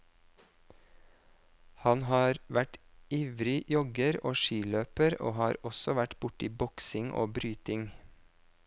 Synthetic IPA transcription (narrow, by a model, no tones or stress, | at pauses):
hɑnhɑːɾʋæʈiːʋɾɪjɔɡəɾoːʃiːløːpəɾo̰ːhɑːɾɔsɔʋæʈb̥ʊʈiːbɔksɪŋʔo̰ːbɾyːt̪ɪŋ